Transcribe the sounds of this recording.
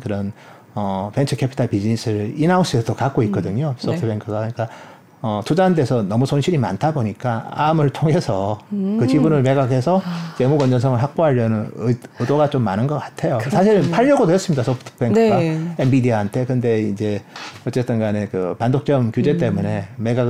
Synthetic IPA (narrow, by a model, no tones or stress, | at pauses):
kɯɾʌn | ʌpe̞nt͡ɕʰɯkʰepʰi̥tʰaɭpid͡ʑinisʰɯɾɯinaos͈ʰuesʰʌd̥okak͈̚oik͈̚ʌdɯɲos͈ʌpʰtʰpʰeŋkʰɯɡakɯɲik͈a | ʌtʰud͡ʑande̞sʰʌnʌmusʰonɕʰiɾima̰ntʰaboɲik͈aamɯɭtʰoŋe̞sʰʌkɯt͡ɕibunɯɭme̞ɡaɡe̞sʰʌt͡ɕe̞muɡʌnd͡ʑʌnsʰʌŋɯɭɦak̚p͈oɦaʎjʌnɯnɯɯdoɡat͡ɕomːanɯnɡʌk͈ḁtʰe̞josʰaɕ̬ʰiɾɯnpʰaʎːʌɡodoɦes͈ɯmɲidasʰopʰtʰɯ̥pʰeŋkʰɯɡaembidiaɦantʰe̞kɯnde̞ind͡ʑe̞ʌt͡ɕ͈e̞t͈ʰɯnɡanekɯpandok̚t͡ɕ͈ʌmkjud͡ʑe̞t͈e̞mune̞me̞ɡa